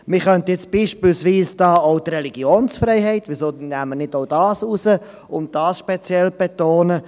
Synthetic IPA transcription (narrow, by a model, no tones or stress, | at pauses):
mɪχœntəjɛt͡sb̥iːʃpɪlsʋiːsd̥ɑːoʊtrɛliɡ̥joːnsfɾɛɪɦɛɪtʋisoːnæːmənɪtoʊdɑːsusə | ʊn̚d̥ɑːsʃpet͡sjɛlb̥etoːnə